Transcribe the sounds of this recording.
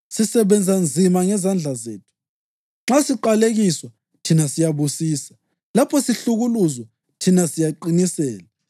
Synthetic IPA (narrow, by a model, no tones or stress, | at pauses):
sisɛβɛnd͡zʱand͡zʱimaŋɛzand͡ɮʱazḛːtʰu̥ | ŋ͡ǁasiǃaleɣiswa | tʰinasijaβusiːsḁ | lapʰɔsiɬuɣuluzwa | tʰinasijaǃinisɛːla